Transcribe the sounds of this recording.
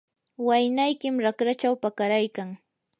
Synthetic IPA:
wajnajkɪmɾakɾat͡ʃawpakaɾajkaŋ

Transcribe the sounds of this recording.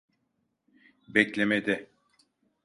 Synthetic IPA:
bɛclʲemed̪ɪ

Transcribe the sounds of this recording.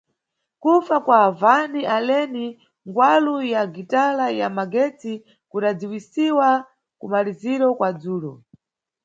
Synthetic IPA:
kufakwaːvaniʔalɛni | ŋɡwalujaɡitalajamaɡɛt͡si | kuɗad͡ziwisiwa | kumaliziɾɔkwad͡zuːlɔ

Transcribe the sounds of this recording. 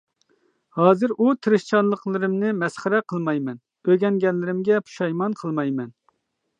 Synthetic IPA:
hɑːzɨɾʔut̪ʰɨɾɨʃt͡ʃʰɑnlˠəqlˠɨɾɨmnɨmɛsχəɾɛqʰəlˠmɑjmɛn | øɡʲɛŋɡʲɛnlːɪɾɪmɡʲɛpʰu̥ʃɑjmɑnqʰəlˠmɑjmɛn

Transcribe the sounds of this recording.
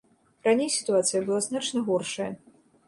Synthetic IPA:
ɾanʲejsʲi̥t̪uat̪sɨjɐbɨlˠaznat͡ʂnɐɣɔrʂɐjɐ

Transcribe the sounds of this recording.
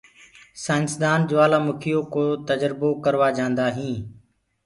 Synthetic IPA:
sãːnsd̪aːnd͡ʒʊʋaːlaːmʊkʰijoːkoːt̪əd͡ʒɾɪboːkəɾʋaːd͡ʒãːnd̪aːɦĩː

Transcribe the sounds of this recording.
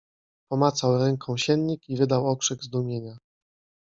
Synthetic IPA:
pɔmat̪sawɾɛŋkʰɔ̃w̃ɕɛnɲikivɘd̪awɔkʂɛɡzd̪umʲjeɲa

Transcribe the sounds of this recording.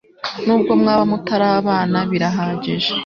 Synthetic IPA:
nuːbɡo̞mŋaːβamutaɾaβaːnaβiɾaɦaːɟeʒe

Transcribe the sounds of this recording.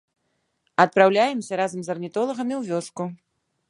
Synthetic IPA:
ɐt̪̚pɾawlʲajɛmsʲɐɾazɐmzɐrnʲit̪ɔlˠɐɣɐmʲiwvʲɔsku

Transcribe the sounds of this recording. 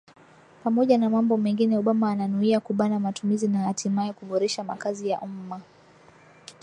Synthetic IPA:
pamɔʄanamambɔmɛŋɡinɛuɓamaːnanuiakuɓanamatumizinahatʰimaɛkuɓɔɾɛʃama̰kazijaʔuma

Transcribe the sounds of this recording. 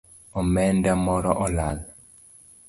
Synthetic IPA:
ɔmɛndamɔɾɔʔɔlal

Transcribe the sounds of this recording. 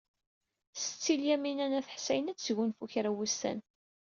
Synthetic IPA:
sə̥t͡sːiljæminænæθə̥ħsæjənæt͡sːʝunfuçɾæwust̪æ̰n

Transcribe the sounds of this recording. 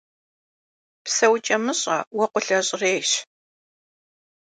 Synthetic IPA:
psɐwt͡ʃʼɐmɨɕʼɐ̰wɐqʷʊɬɐɕʼreːɕ

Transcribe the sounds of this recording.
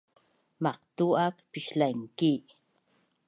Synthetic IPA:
mɑqt̪uakpɪʃlajŋki

